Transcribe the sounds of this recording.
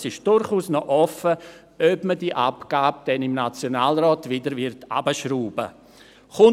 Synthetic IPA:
sɪʃd̥ʊɾχuːsnɔʔɔfə | œbmədiʔapɡ̥aːb̚d̥ɛnɪmnat͡sjonaːlrɔːtvɪdəɾvɪɾta̰bəʃruːbə̰ | χʊ

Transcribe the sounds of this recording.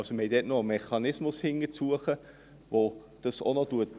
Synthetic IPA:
soməhɛɪd̥ɛːtnɔmɛχɑnɪsmʊshɪŋət͡suəχə | ʋo | d̥ɑso̰nɔtuət

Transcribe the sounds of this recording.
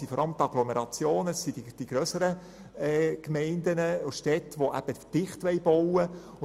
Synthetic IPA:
ifɔɾʔɑləmt̪ɑɡ̥lɔmeɾɑt͡sjoːnəssidid̥iɡɾœsəɾə | ɛkmɛɪnd̪ənəʊʃtɛt̪ʋoʔæ̰b̥əd̥ɪχt̪ʋɛɪb̥ɔwə

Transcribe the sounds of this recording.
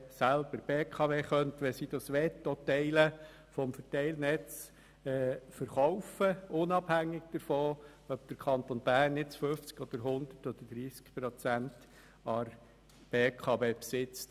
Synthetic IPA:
sælb̥əɾb̥eːkʰɑʋeːχœntʋɛsid̥̪ɑsʋɛt̪ːɔtɛɪlə | fɔmfətɛɪlnɛt͡s | ɛːfəɾχɔʊfəʊnɑbhæŋːɪɡ̥̚d̪̥əɾfɔː | œp̚d̥əɾkʰɑnt̪onb̥æːrnːɪt͡sfɵft͡sɡ̥ɔd̥̪əɾɦʊnd̪̥ətɔd̪̥əd̥ɾiːskpɾɔt͡sænt | ɑɾ | b̥eːkʰɑʋeːpsɪt͡st

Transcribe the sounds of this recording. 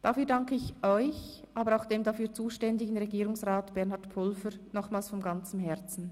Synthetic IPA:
d̥afyːɐdaŋkəɪçʔɔʏç | ʔaːbəɾaʊxd̥eːmdafyːɐt͡suːʃtɛndɪɡən̩ʁeɡiːʁʊŋsʁaːtb̥ɛɐnhaʁtpʰʊlfəɾnɔχmaːlsfɔnɡant͡səmɦɛʁt͡sn̩

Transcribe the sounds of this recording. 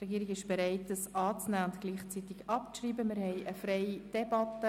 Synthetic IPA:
rɛɡiːɾɪɡɪʃb̥eɾɛɪt̚dəsɑːt͡snæːʊntɡliːχt͡sit̪ɪɡɑpt͡sriːbəmɪɾhɛɪʔəfɾɛɪid̥ɛbɑt̪ə

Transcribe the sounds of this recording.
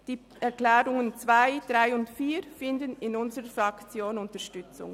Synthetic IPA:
d̥iː | ʔɛʁklɛːɾʊŋənt͡sv̥aɪd̥ʁaɪʊntfiːɾfɪndənɪnʊnzəʁəfʁɑkt͡sjoːnʊntəʃtʏt͡sʊ̰ŋ

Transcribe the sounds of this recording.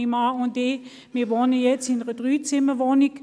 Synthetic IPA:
imaʊnde | miːɐʋɔnəjɛt͡sɪnəʁəd̥ʁyːt͡sɪməʋɔnɪk

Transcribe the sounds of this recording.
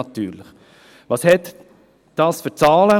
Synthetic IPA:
ɑt̪y̰ːɾlɪχ | ʋɑshɛt̪ | d̥ɑːsfʏt͡sɑːlə

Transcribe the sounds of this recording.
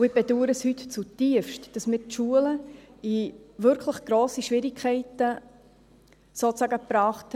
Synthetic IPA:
ɪb̥ɛduːəɾəshytt͡sutiəfʃtd̥ɑsmɪːtʃuələiʋʏɾkʰləχɡ̥ɾoːsiʃʋɪɾikʰɛɪtə | soːt͡sɑɡəpɾɑːχt

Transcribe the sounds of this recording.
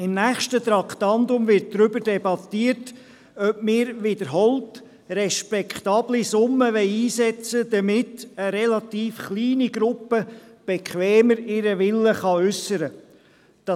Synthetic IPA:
ɪmnæːχʃtət̪ɾɑkχtɑndʊmʋɪɾt̚dɾʏbəɾdɛbɑt̪iəɾt | œpmɪːɾʋɪdəɾɦɔlt | rɛʃpɛkχt̪ɑːblisʊmːəʋɛɪiːsɛt͡səd̥̪əmɪtəɾɛlɑtiːfχliːniɡ̥ɾʊpːəb̥ekʰʋɛːməɾɪɾəʋɪlːəχɑʏsːəɾə | d̥ɑ

